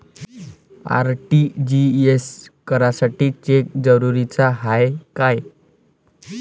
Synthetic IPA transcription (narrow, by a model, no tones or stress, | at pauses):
a̰ɾʈid͡ʑieskəɾasaʈiːt͡ɕek̚d͡zəɾuɾit͡saɦajkaj